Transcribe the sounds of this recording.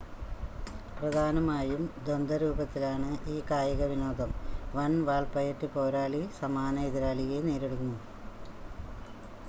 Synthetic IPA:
prɐd̪ʱaːnɐmaːjumd̪ond̪ɐɾuːbɐt̪ːilaːɳɨʔiːkaːjɐɣɐʋino̞ːd̪ɐmʋɐnʋaːɭpɐjɐtːɨpo̞ːɾaːlisɐmaːnɐiðiɾaːlijeneːɾeɽunːu

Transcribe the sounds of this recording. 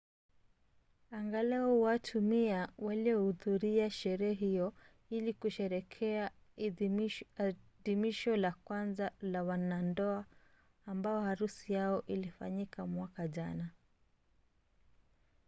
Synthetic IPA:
aŋɡalɛɔwatʰumiawaliɔhuðuɾiaʃɛɾɛɛɦijɔ | ilikuʃɛɾɛkʰɛa | ðimiʃɔlakwanzalawanandɔaː | mbaɔhaɾusijaɔʔilifa̰ɲikʰamwakaʄana

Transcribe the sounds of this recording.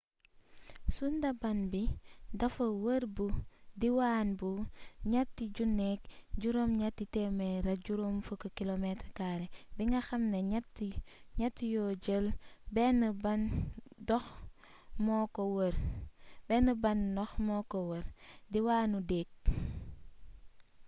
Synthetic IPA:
sundɐbɐnbidɐfɐwəɾbudiwaːnbuɲɐtːiɟunːɛk̚ɟuɾomɲatːitɛmeɾɐɟuɾomfəkːokilometɾkaɾebiŋɡɐxɐmneɲatiɲɐtːijoɟəlbɛnubɐndɔx | mɔkowəɾbɛnəbɐnːɔxmɔkowəɾdiwaːnudeːk̚

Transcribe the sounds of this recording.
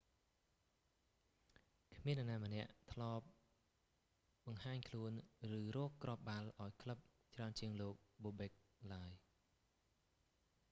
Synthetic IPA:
kʰmiənʔanaːmə̆nɛ̆əʔt̪ʰlɑːp̚ | ɓɑŋhaːɲkʰluənrɨːrɔːkːrʔop̚ɓalʔaɔjkʰləp̚t͡ɕraənt͡ɕiəŋloːk̚ɓoːɓɛk̚laəj

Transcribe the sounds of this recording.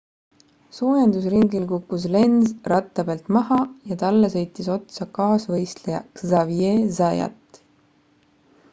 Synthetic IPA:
soːjɑnd̪usriŋɡilkukˑːus̬le̞nzrɑt̪ːˑɑbelt̪mɑɦɑjɑt̪ɑlːesɤ̞jt̪ːˑiso̞t̪sɑkɑːsvɤjst̪lejɑ̰kzɑvjezɑjɑ̰t̪ː

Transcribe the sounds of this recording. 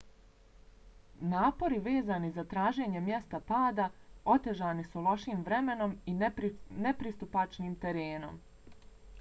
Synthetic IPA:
naːpo̞ɾiʋe̞ːzaːnizat̪ɾaːʒe̞ːɲe̞mje̞st̪apaːd̪ao̞t̪e̞ʒaːnisulo̞ʃiːmʋɾeme̞no̞minepɾist̪upat͡ʃniːmt̪e̞ɾeːno̞̰m

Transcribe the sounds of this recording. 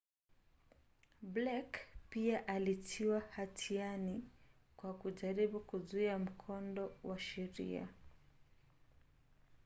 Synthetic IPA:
blakpiaʔalitʰiwahatʰianikwakuʄaɾiɓukuzuiam̩kʰɔndɔwaʃɛɾḭa̰

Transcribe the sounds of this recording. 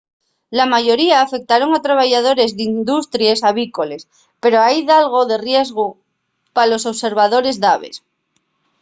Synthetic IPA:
lamaʝo̞ɾiaːfe̞k̚t̪aɾo̞ŋat̪ɾaβ̞aʝað̞o̞ɾe̞zðind̪ust̪ɾjesaβiko̞les | pe̞ɾoajðalɣo̞ðe̞rje̞zɣo | palo̞soβse̞ɾβaðo̞ɾe̞zðaβḛs

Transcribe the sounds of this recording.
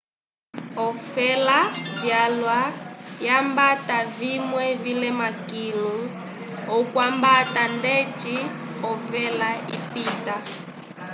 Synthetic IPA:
ɔfɛlavjalwajambatavimwɛvilɛmakilu | ɔkwambatandɛt͡ʃi | ɔfɛlaipita

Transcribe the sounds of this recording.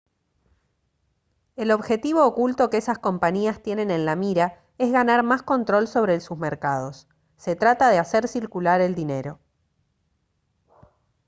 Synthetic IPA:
e̞lo̞βxe̞t̪iβo̞ːkult̪o̞keesasko̞mpaɲiast̪jene̞ne̞nlamiɾa | e̞zɣanaɾmasko̞nt̪ɾo̞lso̞βɾelsuzmeɾkað̞o̞sː | e̞t̪ɾat̪aðe̞aseɾsiɾkulaɾe̞ld̪ine̞ɾo̞

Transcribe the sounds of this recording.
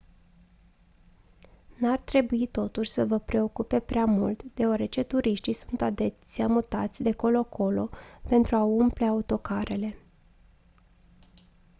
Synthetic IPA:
nart̪ɾe̞buit̪o̞t̪uʃʲsəvəpɾe̞o̞kupe̞pɾeamult̪d̪̥e̞owaɾe̞t͡ʃe̞t̪uɾʔiʃt̪isunt̪ad̪e̞siamut̪at̪sʲd̪eko̞lo̞akʰo̞lo̞pe̞nt̪ɾuaumple̞aut̪o̞kaɾe̞le̞

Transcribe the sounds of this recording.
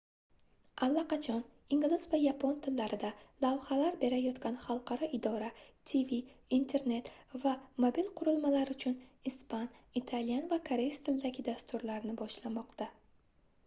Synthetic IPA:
alːaqɑt͡ʃʰɒn | iŋɡʲlɪz̥vajapʰont̪ʰɪlːaɾɪd̪alavhalaɾbe̞ɾajɒt̪kʲanχɑlˠqʰɑɾɒɪd̪ɒɾat̪ʰiviint̪ʰe̞ɾne̞t̪vamobilˠqʰʊɾʊlˠmalaɾʊt͡ʃʰʊnispʰanit̪ʰaljanvakʰaɾejst̪ʰɪld̪aɡʲɪd̪ast̪ʰʊɾlaɾnɪbɒʃlamɒqt̪ʰa

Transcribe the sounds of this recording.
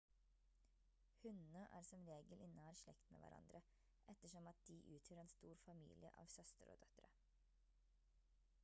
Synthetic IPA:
hʉnnəʔæ̰ːɾsɔmɾeːɡəlʔɪnəæːɾʂɭɛkt̪nə̰ʋæ̰ɾɑ̰nd̪ɾə | ʔɛt̪ːəʂɔmɑt̪̚d̪̥iːʔʉːt̪ʰjœːɾɛːnst̪uːɾfɑmḭːlɪə̰ʔɑ̰ːʋsœst̪əɾo̰ːd̪̥œt̪ɾə

